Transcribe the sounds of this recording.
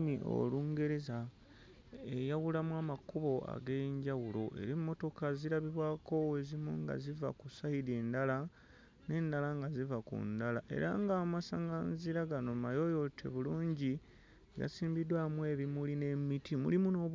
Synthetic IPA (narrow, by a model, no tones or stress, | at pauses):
miʔo̰luːŋɡe̞ɾeza | ejaɣulamwaːmakuβo̞a̰ɡeɲɟawulo̞ʔe̞̰ɾimːo̞to̞kaziɾaβiβwaːko̞we̞zimuŋɡa̰ziva̰kusahiɾeːndala | ne̞ːndalaŋɡazivakṵndalaʔe̞̰ɾaŋɡaːmasaŋɡanziɾaɡano̞majo̞jo̞tʰe̞̰βuluːɲɟi | ɡa̰siːmbidwamwe̞ːβimuline̞mitʰimṵlimuno̞